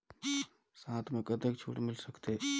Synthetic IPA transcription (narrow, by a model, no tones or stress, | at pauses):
sãt̪ʰmekət̪ekt͡ʃʰṵʈmilsəkt̪e